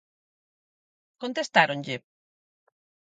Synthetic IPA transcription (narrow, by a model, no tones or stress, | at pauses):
kont̪est̪aɾonʎɪ